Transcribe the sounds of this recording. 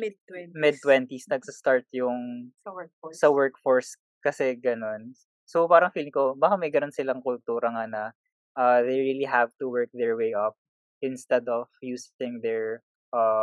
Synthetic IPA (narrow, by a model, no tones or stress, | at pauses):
mɪd̚mɪd̪̚t̪wɛnt̪isnɐɡ̚sɐst̪aɹt̪jʊŋ | sɐwɛɹkfoɹs | kɐsɛɡɐno̞n | sopaːɾɐŋfilkobaːkamɐjɡɐnonsɪlɐŋkʊlt̪uːɾɐŋanɐ | ʔɐðejɹiliɦavt̪uwɛɹk̚d̪ɛɹwejʔɐp̚ | ʔɪnst̪ɛd̪ɔv̥juːstɪ̃ŋd̪ɛɹ | ʔɐ